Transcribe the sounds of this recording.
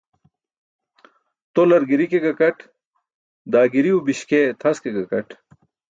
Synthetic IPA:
t̪olɐɾɡiɾikeɡɐkɐʈ | d̪aːɡiɾiubiɕket̪ʰɐskeɡɐkɐʈ

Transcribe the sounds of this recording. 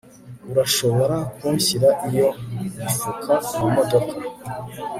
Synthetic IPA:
uɾaʃo̞βo̞ɾakuɲɕiɾaʔijo̞mifukʰamumodokʰḁ

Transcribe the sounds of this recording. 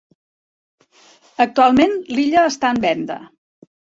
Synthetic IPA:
ək̚t̪ualˠmenliʎəːst̪aəmbɛnd̪ə̰

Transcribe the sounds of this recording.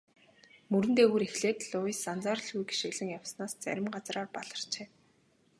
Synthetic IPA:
mɵɾɘ̆nt̪eːɣuːɾexɮeːt̪ɮʊisant͡saːrɮɣujɡi̥ʃĭɣɮɘ̆ŋjawsnaːst͡sæ̰ɾʲɪ̆mɢat͡sraːrpaɮə̆r̥t͡ɕeː

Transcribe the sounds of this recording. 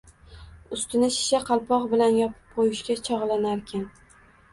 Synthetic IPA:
ʊst̪ɪnɪʃɪ̥ʃaqʰɑlˠpɒqbɪlanjɒpʰɪ̥p̚qʰojɪʃkʲat͡ʃʰɒʁlˠanaɾkʲʰan

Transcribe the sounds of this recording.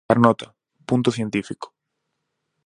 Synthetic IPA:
aɾnot̪a | punt̪oθje̞nt̪ifiko̥

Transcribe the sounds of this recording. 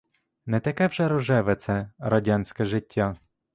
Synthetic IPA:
nɛt̪ɐkɛwʒɛɾɔʒɛʋɛt̪sɛɾɐdʲanʲsʲkɛʒɪtʲːa

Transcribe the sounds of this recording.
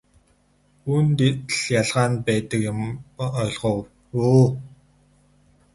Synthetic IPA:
unt̪et̪ɮjaɮʁaːnpæːt̪ə̆kjʊmɔjɮʁow | uː

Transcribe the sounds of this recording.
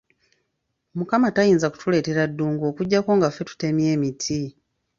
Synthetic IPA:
mukamatajiːnzaku̥tule̞ːte̞ɾadːuːŋɡo̞ːkuɟːako̞ːŋɡafe̞tu̥te̞mje̞ːmitʰi

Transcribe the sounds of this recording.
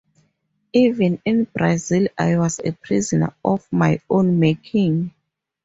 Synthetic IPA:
ivɛ̃nĩnbɹazilajwɔzḛpʰɹizɔna̰ɔfmajõnmekʰĩŋ

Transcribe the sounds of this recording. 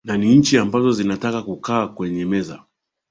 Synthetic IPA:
naniɲ̩t͡ʃiambazɔzinatakakukaːkwɛɲɛmɛza̰

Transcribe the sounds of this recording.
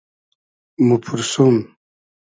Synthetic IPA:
mupʰuɾsum

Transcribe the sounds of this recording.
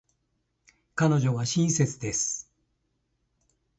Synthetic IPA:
kano̞ʑo̞βaɕĩɰ̃se̞t͡sɨd̪e̞sɨ̥

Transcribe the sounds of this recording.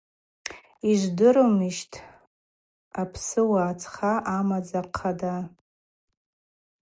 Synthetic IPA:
iʒʷdɨɾomɨʃtʰ | apʰsɨwaːt͡sʰχaʔamad͡zaqʰada

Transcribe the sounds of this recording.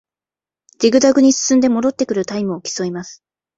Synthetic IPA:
diɡɯ̟d̪aɡɯ̟ɲ̟isɨ̥sɨ̃nd̪e̞mo̞d̪o̞t̪ːe̞kɯ̟ɾɯ̟t̪aimɯ̟okʲi̥so̞imasɨ̥

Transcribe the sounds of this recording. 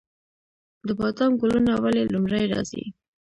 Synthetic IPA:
d̪əbɑt̪ɑnɡolunawalelumɾajɾɑ̰zḭ

